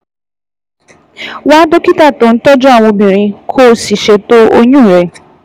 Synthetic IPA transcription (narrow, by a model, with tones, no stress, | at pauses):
waː˦do˦ki˦ta˦˨to˨˦n̩˦tɔ˦d͡ʒɔ˦a˨w̃ɔ̃˧bĩ˨ɾ̃ĩ˧kʰo˦si˨ʃe˧to˦ʔo˧ɲũ˦˨ɾɛ˨